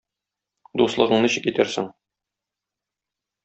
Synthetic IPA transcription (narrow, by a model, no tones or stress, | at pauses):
d̪uslˠɤ̆ʁɤ̆ɴnɤɕɘkit̪æɾsɘ̰ŋ